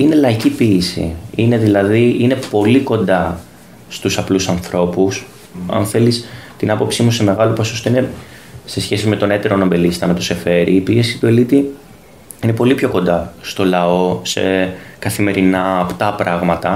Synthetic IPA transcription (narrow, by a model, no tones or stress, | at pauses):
ine̞lɐicipiesḭine̞ðilɐðiine̞po̞liko̞nd̪ɐ | st̪usɐplusɐnθɾʔo̞pus | ɐ̰nθe̞list̪inɐpo̞psimuse̞me̞ɣɐloposost̪oine̞ | se̞sçe̞sime̞t̪o̞ne̞t̪e̞ɾono̞mbe̞list̪ɐnɐt̪o̞se̞fe̞ɾḭːpie̞si̥t̪ue̞lit̪i | ine̞po̞lipçoko̞nd̪ɐst̪o̞lɐo̞se̞̰kɐθime̞ɾinɐːpt̪ɐpɾɐɣmɐt̪ɐ